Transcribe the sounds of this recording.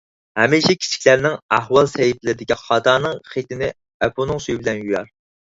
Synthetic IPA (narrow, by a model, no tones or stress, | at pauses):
hɛmiʃɛkʲʰi̥t͡ʃʰi̥kʲlæɾnɪŋæɦwɑlˠsɛjiplɪɾɪd̪ɪkʲʰiχɑt̪ʰɑːnɨŋχet̪ɪnɪ | ɛpʰonɨŋsyjibɪlɛnjyjɑ̰ɾ